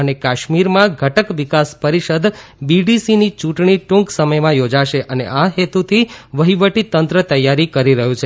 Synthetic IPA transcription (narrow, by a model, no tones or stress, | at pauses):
ənekaʃmiɾmãɡʱəʈəkʋikaspəɾiʃəd̪biɖisinit͡ʃũʈɳ̃iʈũŋksəməjmãjod͡ʒaʃeʔəneʔaɦet̪ut̪ʰiʋəɦiʋəʈit̪ːənt̪ɾət̪əjːaɾikəɾiɾəɦũt͡ʃʰe